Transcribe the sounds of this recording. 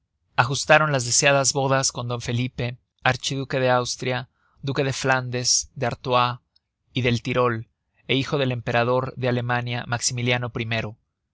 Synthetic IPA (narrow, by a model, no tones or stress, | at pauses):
axust̪aɾo̞nlazðe̞sjaðazβo̞ðasko̞nd̪o̞ɱfe̞lipe̞ | aɾt͡ʃiðuke̞ðe̞awst̪ɾja | d̪uke̞ðe̞fland̪e̞zd̪eaɾt̪wa | iðe̞lt̪iɾo̞l | e̞ixo̞ð̞e̞le̞mpe̞ɾað̞o̞ɾðe̞ale̞mãnjamaksimiljano̞pɾime̞ɾo̞